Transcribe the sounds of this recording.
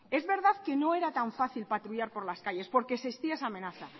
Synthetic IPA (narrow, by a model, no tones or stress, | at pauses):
e̞zβe̞ɾðaðke̞no̞e̞ɾat̪aɱfaθilpat̪ɾuʝaɾpo̞ɾlaskaʝe̞spo̞ɾke̞sest̪iaesame̞naθa